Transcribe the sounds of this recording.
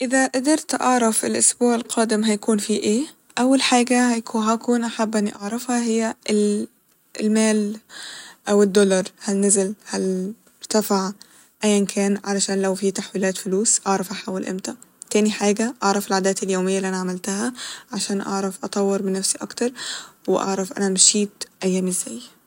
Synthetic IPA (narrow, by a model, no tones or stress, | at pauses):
ʔɪðæʔad̪ɑɾˤt̪ʔɑʕɾˤɑfɪlʔʊsbuːʕelqʰɑːd̪ɪmɦæjækuːnfiːʔeː | ʔæwːalħaːɡæhjkuɦækuːnʔaħabːʔæniʔɑʕɾˤɑfhɑhɪjːæʔɪl | lmæːl | ʔæwɪd̪ːolɑɾˤhælnɪzɪlhæl | ɾt̪æfaʕ | ʔæjːʔænkʰæːnʕalæʃæːnlæwfiːt̪aħwiːlæːt̪fʊluːsʔɑʕɾˤɑfʔaħaːwɪlʔɪ̰mt̪æt̪æːniħaːɡæʔɑʕɾˤɑfelʕaːd̪æːt̪eljoːmɪjːaliʔænaʕamɪlt̪ahæʕaʃæːnʔɑ̰ʕɾˤɑfʔɑt̪ˤɑwːeɾmɪnːæfsiʔɑkt̪ɑɾˤwɪ̰ʔɑ̰ʕɾˤɑfʔæ̰næmʃiːt̪ʔæjːæːmɪzːæj